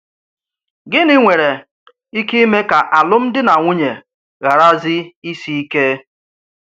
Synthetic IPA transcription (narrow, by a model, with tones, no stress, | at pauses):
ɡɪ˦ni˦ŋʷe˨ɾe˨ | i˦ki˦i˦me˦ka˨ʔa˨lʊ˦m̩˦dɪ˦na˨ŋʷʊ˦ɲe˨ | ɣa˨ɾa˦zɪ˦i˦si˦i˦ke˦